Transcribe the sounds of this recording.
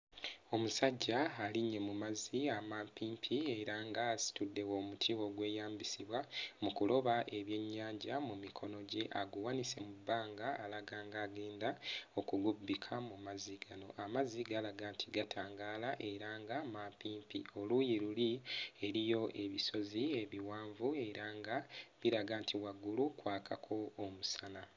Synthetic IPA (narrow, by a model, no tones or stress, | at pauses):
o̞musaɟːaaliɲːe̞mumaziamampiːmpʰie̞ɾaŋɡaːsi̥tudːe̞wo̞ːmutʰiwo̞ɡwe̞ːjaːmbisiβwamukulo̞βaʔe̞βje̞ɲːaːɲɟamumikʰo̞no̞ɟe̞ʔaɡuwanise̞mubːaːŋɡaːlaɡaːŋɡaːɡe̞ːndao̞kuɡubːikʰamumaziɡano̞̰ʔamaziɡaːlaɡaːntʰiɡatʰaːŋɡaːlaʔe̞ɾaːŋɡamapiːmpḭo̞lujiɾulie̞ɾijo̞ʔe̞βiso̞zie̞βiwaːɱvue̞ɾaːŋɡaβiɾaɡaːntʰiwaɡulukwaːkʰakʰo̞ːmusana